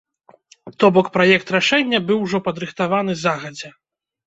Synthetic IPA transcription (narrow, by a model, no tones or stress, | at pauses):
t̪ɔbɔkpɾajɛkt̪ɾaʂɛnʲːɐbɨwʐɔpɐd̪ɾɨxt̪avanɨzaɣɐd͡zʲɛ